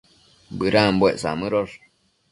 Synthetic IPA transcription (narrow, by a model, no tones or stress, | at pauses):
bɨɾambweʔsa̰mɨɾoʐ